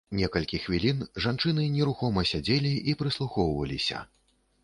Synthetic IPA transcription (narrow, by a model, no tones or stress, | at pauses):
nʲɛkɐlʲkʲixvʲilʲinʐant͡ʂɨnɨnʲɛɾuxɔmɐsʲad͡zʲelʲiipɾɨslˠuxɔwvɐ̰lʲḭsʲɐ̰